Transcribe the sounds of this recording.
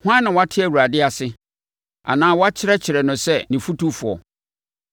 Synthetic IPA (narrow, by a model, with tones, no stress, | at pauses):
hʊ˦ã˦nã˨wɔ˦a˦tʰɪ˦æ˨wu˨ɾa˨dɪ˦a˨sɪ˦ | a̰˨nãː˦wɔ˦a˦t͡ɕʰɪ˦ɾɛ˦t͡ɕʰɪ˨ɾɛ˨nʊ̃˨sɛ˦nĩ˨fu˦tu˦fʊ˨ɔ̰˨